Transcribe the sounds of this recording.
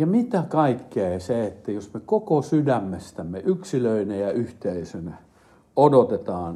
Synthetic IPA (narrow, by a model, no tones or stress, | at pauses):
jɑmit̪ækɑikːeɑiseet̪ːæjosmekokosydæmːest̪æmːeʔyksiløinejɑyht̪eisønæ | odot̪et̪ɑːn